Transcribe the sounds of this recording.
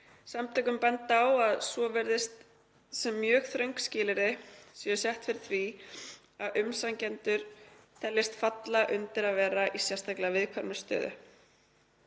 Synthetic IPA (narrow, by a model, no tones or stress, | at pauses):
samt̪ʰœkʏmpɛnt̪awaðsvɔvɛɾðɪst̪ | sɛmːjœːɣθɾœɥŋkscɪːlɪɾɪsiʏsjɛht̪fɪɾθvi | aðʔʏmsaŋcɛnt̪ʏɾ̥θʰɛlːɪst̪fat̪laʔʏnt̪ɪɾaðvɛːɾaʔisjɛ̥st̪aklavɪðkʰvaɾmʏ̥st̪œ̰ːðʏ̰